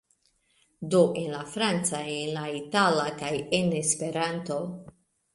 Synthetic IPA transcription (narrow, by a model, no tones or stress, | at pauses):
d̪oʔenlafɾant͡saenlait̪aːlakajenespeɾant̪o